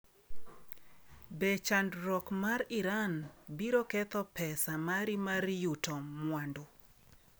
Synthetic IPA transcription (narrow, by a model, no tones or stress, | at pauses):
bɛt͡ʃandɾɔkmaɾɪɾanbiɾokɛt̪ɔpɛsamaɾimaɾjutɔmwandʊ